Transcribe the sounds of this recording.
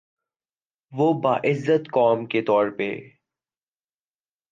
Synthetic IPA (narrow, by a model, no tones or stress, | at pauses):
ʋoːbaːʔɪzːət̪kɔːmket̪ɔːɾpḛ